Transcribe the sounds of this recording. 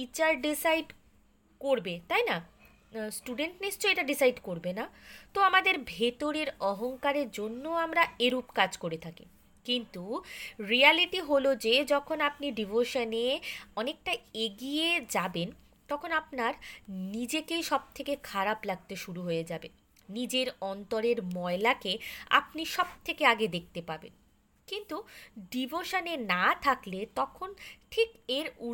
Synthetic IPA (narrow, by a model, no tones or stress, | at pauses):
it͡ɕaɾɖisajɖ | koɾbet̪ajna | sʈuɖeɳʈnist͡ɕoeʈaɖisajɖkoɾbenat̪oamad̪eɾbʱet̪oɾeɾɔɦoŋkaɾeɾd͡ʑonːoamɾaeɾupkad͡ʑkoɾet̪ʰakḭ | kint̪uɾialiʈiɦolod͡ʑed͡ʑɔkʰonap̚niɖibʱoʃoneɔnek̚ʈajeɡijed͡ʑaben | t̪ɔkʰonapnaɾnid͡ʑekejʃɔb̚t̪ʰekekʰaɾaplaɡ̚t̪eʃuɾuɦojed͡ʑabenː | id͡ʑeɾɔnt̪oɾeɾmɔelakea̰p̚niʃɔb̚t̪ʰekeaɡed̪ek̚ʰt̪epaɾbḛn | kint̪uɖibʱoʃonenat̪ʰaklet̪ɔkʰonʈʰikeɾu